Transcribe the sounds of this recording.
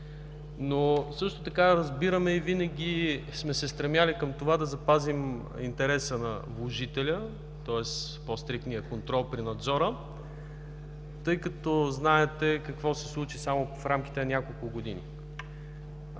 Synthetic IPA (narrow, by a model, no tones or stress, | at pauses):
nosɤʃt̪ot̪ɐkaɾɐzbiɾəmɛivinɐɡʲismɛsɛst̪ɾɛmʲjalikəmt̪ovad̪ɐzɐpazim | int̪ɛɾɛsənɐ̰vlˠoʒit̪ɛlʲə | t̪ɔɛs | pɔst̪ɾikt̪nijəkont̪ɾɔlˠpɾinɐd̪zɔɾə | t̪ɤjkɐt̪ɔznaɛt̪ɛkɐkvɔsɛslˠut͡ʃisamʊfɾamk̟i̥t̪ɛnɐnʲjakolˠkʊɡod̪ḭnḭ